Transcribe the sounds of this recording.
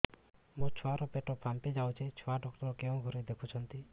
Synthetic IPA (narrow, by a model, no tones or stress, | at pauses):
mũt͡ʃʰɔaɾɔpeʈɔpʰamped͡ʒawt͡ʃʰet͡ʃʰɔaɖɔkʈɔɾɔkeɔ̃ɡʱoɾed̪ekʰut͡ʃʰɔnt̪i